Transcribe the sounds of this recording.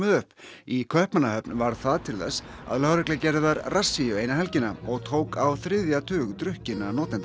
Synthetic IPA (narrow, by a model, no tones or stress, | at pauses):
mɪðʏhpikʰvœhpmanaɦœpnvaɾ̥θaðt̪ʰɪlθɛsːa̰ðlœːɣɾɛklɪcɛɾðɪðaɾrasːijʏeːjnaɦɛlcɪnaɔɣt̪ʰoːwkawθɾɪðjat̪ʰʏːɣt̪ɾʏhcɪnanɔːt̪ɛnt̪